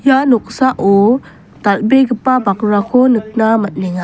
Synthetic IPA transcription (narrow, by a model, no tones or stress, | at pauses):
janɔk̚saʔo | talbeɡɯpabakɾakʰonɯk̚namat̚nɛŋa